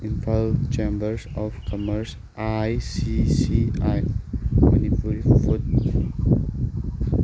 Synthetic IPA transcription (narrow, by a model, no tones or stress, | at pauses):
ĩnfalt͡ʃẽmbəɹsɔfkʰɔməɹs | ʔajsisiajma̰nipulifut̚m